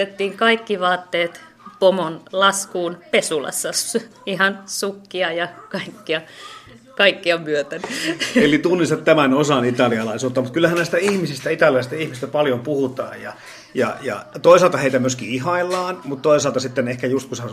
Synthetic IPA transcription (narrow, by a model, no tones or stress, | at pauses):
et̪ːiːŋkɑikːiʋɑːt̪ːeːt̪ | pomonlɑskuːnpesulɑ̰sːɑsihɑnsukːiɑjɑkɑikːiɑ | kɑikːiɑmyøt̪ænelit̪unːist̪ɑt̪t̪æmænosɑnit̪ɑliɑlɑˑisuːt̪ːɑmut̪kylːæhænæst̪æihmisist̪æit̪ɑliɑlst̪æihmist̪æpɑljompuhut̪ɑ̰ːjjɑ̰ | jɑ̰jɑ̰t̪oisɑːlt̪ɑheit̪æmyøskiihɑilːɑːnmut̪t̪oisɑːlt̪ɑsit̪ːenehkæjust̪̚kushæ